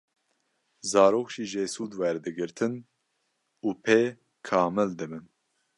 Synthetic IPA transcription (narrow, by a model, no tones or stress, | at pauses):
zɑːɾoːkʒiːʒeːsuːd̪wɛɾd̪ɨɡɨɾt̪ʰɨn | uːpʰeː | kʰɑːmɨld̪ɨbɨn